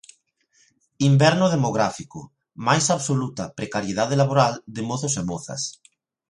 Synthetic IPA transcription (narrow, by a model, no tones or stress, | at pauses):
imbɛɾnoð̞emoɣ̞ɾafiko | majsaβsolut̪apɾekaɾjeð̞að̞elaβoɾald̪emoθosemoθa̰s